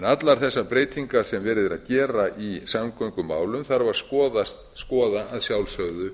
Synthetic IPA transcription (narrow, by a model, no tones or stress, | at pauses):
nat̪laɾ̥θɛsːapɾeːjt̪ʰiŋkaɾ̥sɛmvɛːɾɪðɪɾa̰ðcɛːɾaʔisamkœjŋkʏmːa̰ːwlʏmθaɾvaɾ̥skɔːðast̪ | skɔːðaaðsjawlsœɣðʏ